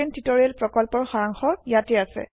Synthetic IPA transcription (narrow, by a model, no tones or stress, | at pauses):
ɛntitɔɹiɛlpɹɔkɔlpɔɹxaɹaŋxɔjatɛasɛ̰